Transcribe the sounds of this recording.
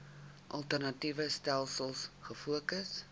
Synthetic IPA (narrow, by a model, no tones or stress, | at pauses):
ʔɐlˠtərnɐtivəstælˠsəlˠsχəfuəkəs